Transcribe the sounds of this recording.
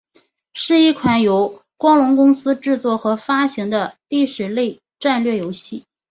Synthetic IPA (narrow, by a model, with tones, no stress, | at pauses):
ʂɻ̩˥˧i˥˩kʰwa˧˩njo˧˥ʊ | kwɑ˥ŋlʊ˧˥ŋkʊ˥ŋsɹ̩˥ʈ͡ʂɻ̩˥˧t͡swɔ˥˩xɤ˧˥fa˥ɕi˧˥ŋd̪ə˧li˥˩ʂɻ̩˨˩le˥˧ɪ | ʈ͡ʂa˥˧nlɥɛ˥˩jo˧˥ʊɕi˥˩